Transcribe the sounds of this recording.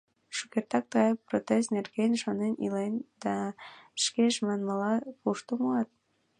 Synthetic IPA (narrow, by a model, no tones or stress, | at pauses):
ʃukert̪ɑk̚t̪əɣɑjprot̪esnerɣenʃɑnenilend̪̥ɑ̥ʃkeʃmɑnməlɑpuʃt̪omuɑt̪̚